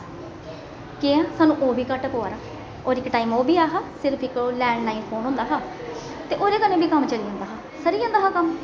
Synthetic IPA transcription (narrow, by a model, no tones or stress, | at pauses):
keːãːsaːnũːʔoːbʱiːkəʈpoːaːɾaː | ɔːɾɪkʈaːiːmoːbiːaːɦaːsɪɾpʰɪkolɛːɳɖnaːĩnpʰoːnɦõːnd̪aːɦaː | t̪eːʔoːɾeːkənẽːbʱiːkəmt͡ʃəliːãːnd̪aːɦaː | səɾiːãːnd̪aːɦaːkəm